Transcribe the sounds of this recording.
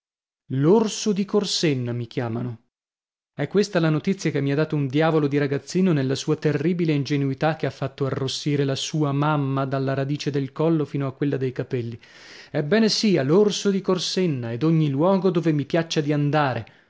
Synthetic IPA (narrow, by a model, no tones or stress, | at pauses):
lorsod̪ikorsenːamik̟jaːmano | ɛkːwest̪alanot̪it̪sːjakemːiad̪ːaːt̪ound̪jaːvolod̪iɾaɡat̪sːiːnonelːasuːat̪erːiːbileind͡ʒenuit̪ak̟ːeafːat̪ːoarːosːiːɾelasuːamamːad̪alːaɾad̪iːt͡ʃed̪elkɔlːofiːnoakːwelːad̪ejkapɛlːi | ɛbːɛːnesiːalorsod̪ikorsenːaed̪oɲːilwɔːɡod̪oːvemipjat͡ʃːad̪iand̪aːɾe